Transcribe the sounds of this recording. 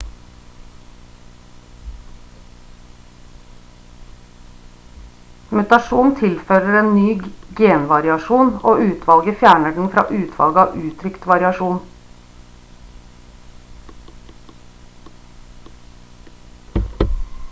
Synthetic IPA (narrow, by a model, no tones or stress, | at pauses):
mʉt̪ɑʃuːnt̪ʰɪlføːɾəɾeːnnyːɡeːnʋɑɾɪɑʃuːnoːʉːt̪ʰʋɑlɡəfjæːɳəɖɳ̩fɾɑ̰ːʔʉːt̪ʰʋɑ̰lɡəɑːʋʔʉːt̪ʰɾʏkt̪ʋɑɾɪɑʃuːn